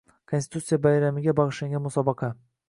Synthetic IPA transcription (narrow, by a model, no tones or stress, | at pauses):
kʰonsɪ̥t̪ut̪sijabajɾamɪɡʲabɑʁɨʃlaŋɡʲanmʊsɒbɑqʰɑ